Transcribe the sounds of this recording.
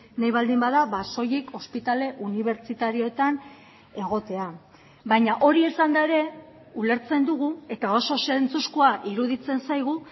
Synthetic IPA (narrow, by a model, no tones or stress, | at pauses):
najβald̪imbaðaβaso̞jiko̞spit̪ale̞ʔuniβ̞e̞ɾt͡ʃt͡sit̪aɾio̞et̪an | e̞ɣ̞o̞t̪e̞a | bajɲaʔo̞ɾie̞sand̪ae̞ɾe̞ | ule̞ɾt͡se̞nd̪uɣ̞ue̞t̪ao̞so̞se̞nt͡suskuaʔiɾuðit͡se̞nsajɣ̞u